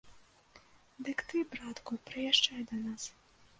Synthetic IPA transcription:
d̪ɨkt̪ɨbɾat̪kupɾɨjaʂt͡ʂajd̪ɐnas

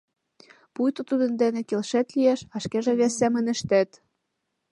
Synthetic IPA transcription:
pujt̪ot̪ud̪ə̆nd̪enĕkelʃet̪lieʃɑʃkeʒĕβesːemə̆nə̆ʃt̪æt̪

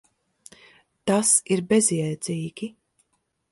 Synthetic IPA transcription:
t̪asiɾbɛziɛjd̪z̥iːɡʲi

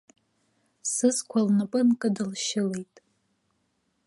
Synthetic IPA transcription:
sɨzkʷʰalnapʼɨnkʼɨdɨlʃɪlejtʼ

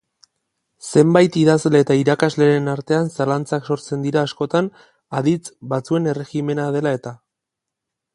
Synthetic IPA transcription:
se̞mbajt̪iðazleːt̪aiɾakazle̞ɾenaɾt̪e̞ansalant͡sakso̞ɾt͡se̞nd̪iɾaːsko̞t̪an | aðit͡sbat͡sue̞ne̞re̞ɣime̞nað̞e̞lae̞t̪a

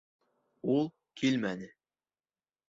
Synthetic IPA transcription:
ulˠ | kʰilmænɘ

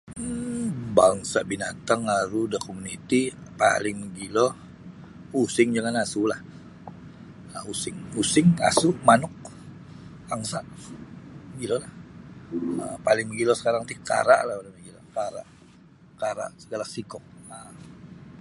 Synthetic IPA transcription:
baŋsaʔbinat̪aŋaɾudakomunit̪ipa̰lɪŋməɡilo | usɪŋd͡ʒaŋanasulah | əusɪŋusɪŋka̰sʊʔmanʊk̚ | aŋsaʔ | məɡilolah | ə̰palɪŋməɡilosə̥kaɾaŋt̪ika̰ɾa̰ʔlahpalaməɡilo̰kaɾa̰ʔ | kaɾa̰ʔsəɡalasikɔk̚ə

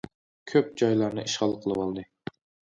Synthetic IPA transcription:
kʲʰøp̚d͡ʒɑjlˠɑɾnɨiʃχɑlˠqʰəlˠɨwɑlˠd̪ɨ

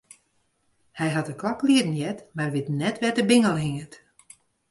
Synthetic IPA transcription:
hɛjɦatəklɔkliədn̩jɛtmarʋɪtnɛtʋɛtəbɪŋəlˠɦiŋət

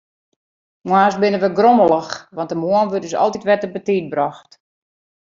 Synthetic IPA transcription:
mwaːsbɪnəʋəɡroməlˠəxʋɑntəmoənʋøtdəsɔ̰lˠtitʋɛtəbətit̚brɔxt

